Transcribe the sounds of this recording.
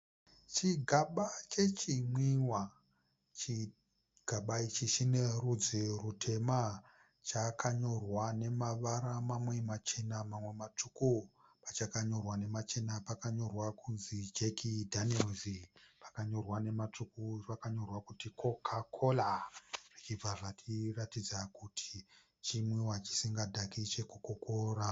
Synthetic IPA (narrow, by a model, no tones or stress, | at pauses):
t͡ʃiɡʱaɓat͡ʃe̞t͡ʃimwiwa | t͡ʃi | ɡ̥ʱaɓait͡ʃiʃinerud͡zirutʰe̞ma | t͡ʃakʰaɲo̞rwane̞maʋaɾamamwe̞mat͡ʃe̞namamwe̞mat͡ʂukupat͡ʃakaɲo̞rwane̞mat͡ʃe̞napakaɲo̞rwakʰunzid͡ʒekʰidʱanielzipḁkaɲo̞rwane̞mat͡ʂukurakaɲo̞rwakutikʰo̞kʰakʰolarit͡ʃib͡vaʐat͡ʃiratid͡zakutʰi̥ | t͡ʃimwewat͡ʃi̥siŋɡadʱakit͡ʃe̞kukokoːra